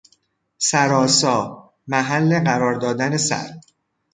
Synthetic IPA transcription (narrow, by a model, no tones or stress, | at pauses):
sæɾɒːsɒː | mæɦælːe̞ɢæɾɒːɾd̪ɒːd̪æne̞sæ̰ɾ